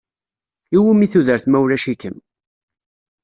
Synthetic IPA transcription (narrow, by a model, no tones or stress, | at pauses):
iwimiθuðəɾθmæwlæʃikəm